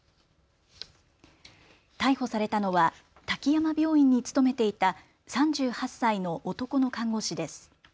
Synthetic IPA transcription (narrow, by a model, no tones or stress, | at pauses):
t̪aiho̞saɾe̞t̪ano̞βa | t̪akʲijamabʲo̞ːĩɲ̟ːit͡sɨ̥t̪o̞me̞t̪e̞it̪a | sãɲ̟d͡ʑɨːhasːaino̞ʔːt̪o̞ko̞no̞kãŋɡo̞ɕid̪e̞sɨ̥